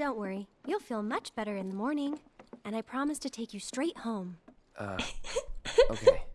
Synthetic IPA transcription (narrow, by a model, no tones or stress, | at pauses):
d̥õʊ̃nʔwɜ˞ijulˠfilˠmʌt͡ʃb̥ɛɾə˞ɨ̃nðəmɔɹnɪ̃ŋɨ̃naɪpʰɹ̥ɑmɨstʰɨtʰeɪkjɨstɹ̥eɪt̚hõʊ̃mʔʌ̰ | oʊkʰɪ